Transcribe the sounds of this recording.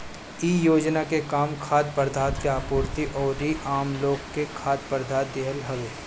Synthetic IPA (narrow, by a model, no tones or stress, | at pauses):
iːjoːd͡ʒnakekaːmkʰaːd̪̚pəɾd̪ʱaːt̪keaːpuːɾt̪iʔɔːɾiʔaːmloːɡkekʰaːd̪̚pəɾd̪ʱaːt̪̚d̪ɪɦəlɦɐle